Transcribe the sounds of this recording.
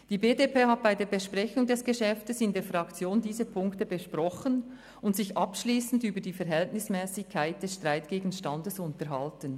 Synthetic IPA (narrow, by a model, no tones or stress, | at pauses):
d̥iːbeːdepʰeːhat̚b̥aɪdeːɐbɛʃpʁɛçʊŋdɛsɡ̥əʃɛftəsɪndeːfʁɑkt͡sjoːndiːzəpʰʊŋktəbəʃpʁɔχən | ʊntsɪçʔɑpʃliːsn̩dyːbədiːfɛɾɦɛltnɪsmɛːsɪkʰːaɪt̚d̥ɛsʃtʁ̥aɪtɡ̥eːɡn̩ʃtɑndəsʊntəɾɦɑltən